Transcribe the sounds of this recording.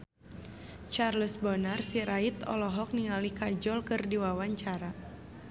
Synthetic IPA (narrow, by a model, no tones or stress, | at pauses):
t͡ʃarləsbɔnarsiɾait̪ɔ̰lɔɦɔk̚niŋalikad͡ʒɔlkɨrdiwawaɲt͡ʃaɾa